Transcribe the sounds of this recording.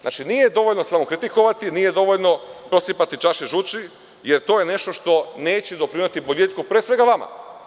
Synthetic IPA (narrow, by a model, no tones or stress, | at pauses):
ʔa̰t͡ʃinijed̪o̞ʋo̞ʎno̞samokɾit̪iko̞ʋat̪inijed̪o̞ʋoʎno̞pɾo̞sipat̪it͡ʃaʃiʒut͡ʃi | jeɾt̪o̞jene̞ʃt̪oʃt̪o̞ne̞ːt͡ɕed̪o̞pɾimat̪iboʎet̪kupɾesʋe̞ɡaʋama̰